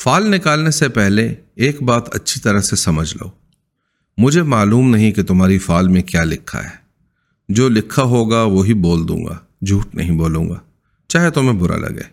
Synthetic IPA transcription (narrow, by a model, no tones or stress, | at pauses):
faːlnɪkaːlnesepɛɦleeːkbaːt̪ɐ̰tːʃʰit̪ɐɾəɦsesɐməd͡ʒʱla̰oː | mʊd͡ʒʱemaːluːmnɐɦĩket̪ʊmɦaːɾifaːlmẽkjaːlɪkʰːa̰ɦɛː | d͡ʒoːlɪkʰːaɦoːɡaʋoɦiboːld̪ṵ̃ːŋɡa̰ː | d͡ʒʱuːʈnɐ̰ɦĩboːlṵ̃ːɡa̰ː | t͡ʃaːɦet̪ʊmẽbʊɾa̰lɐ̰ɡḛː